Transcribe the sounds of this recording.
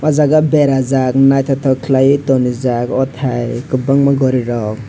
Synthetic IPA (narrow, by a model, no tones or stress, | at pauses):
ɔzaɡabeɾazak̚najt̪ʰɔt̪ʰɔkʰlajit̪ɔnizakɔt̪ʰajkɯbaŋmaɡɔɾiɾɔk̚